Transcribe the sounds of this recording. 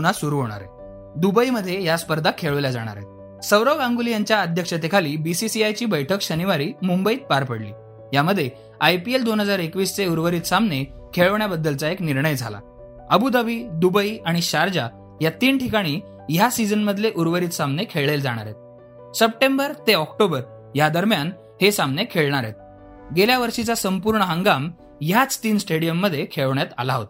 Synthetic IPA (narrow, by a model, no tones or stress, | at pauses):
unasuɾuɦoɽ̃a̰ɾḛ | d̪ubəiməd̪ʱːjejaspəɾd̪ʱakʰeɭəʋljad͡za̰ɽ̃a̰ɾḛt̪̚ | səwɾəɡãŋɡulijaɲt͡ɕjaəd̪ʱjəkʂət̪ekʰaliːbisisiajt͡ɕiːbəjʈʰəkɕəniʋaɾiːmumbəiːt̪̚paɾpəɽlḭː | jaməd̪ʱːje | ajpield̪onɦəd͡zaɾekʋiːst͡seuɾʋəɾiːt̪samne | kʰeɭəʋɳjabəd̪ːəlt͡saekniɾɳəjd͡zʱa̰la̰ | əbud̪abʱiːd̪ubəiaɽ̃iɕaɾd͡ʑa | jat̪iːnʈʰikaɽ̃iː | jasid͡zənməd̪ʱleʔuɾʋəɾiːt̪samnekʰeɭeld͡zaɽ̃a̰ɾet̪̚ | səp̚ʈẽmbəɾt̪eɔkʈobəɾ | jad̪əɾmjan | hesamnekʰeɭɳaɾḛt̪̚ | ɡeljaʋəɾʂit͡sasəmpuɾɳəɦə̃ŋɡam | jat͡st̪iːnsʈeɽijəmːəd̪ʱːjekʰeɭəʋɳjat̪a̰laɦo̰t̪